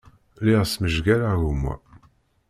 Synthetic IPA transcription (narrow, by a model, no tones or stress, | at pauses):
liʁsməʒɡælaɣumwæ̰